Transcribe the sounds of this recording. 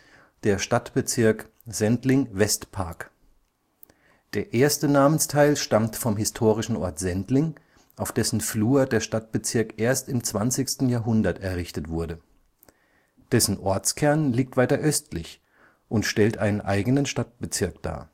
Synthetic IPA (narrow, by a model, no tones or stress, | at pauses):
d̥eːɐʃtatb̥ət͡sɪɐk | z̥ɛntlɪŋvɛstpʰa̰ɐk | d̥eːɐʔeːɐstənaːmənstʰaɪlʃtamtfɔmɦɪstʰoːʁɪʃn̩ʔɔɐtz̥ɛntlɪŋ | ʔaʊfd̥ɛsn̩fluːɐdeːɐʃtat̚b̥ət͡sɪɐkʔeːɐstɪmt͡sv̥ant͡sɪçstn̩jaːɐɦʊndɐtɛɐʁɪçtətv̥ʊɐɾə | d̥ɛsn̩ʔɔɐt͡skʰɛɐnliːk̚tv̥aɪtɐʔœstʰlɪç | ʔʊntʃtɛltʔaɪnənʔa̰ɪɡənənʃtat̚b̥ət͡sɪɐkd̥a̰ː